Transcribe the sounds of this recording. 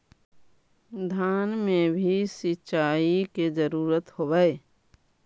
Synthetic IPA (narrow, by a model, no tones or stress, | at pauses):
d̪ʱjaːnmẽbʱisit͡ʃaːiked͡ʒəɾuːɾət̪hobəe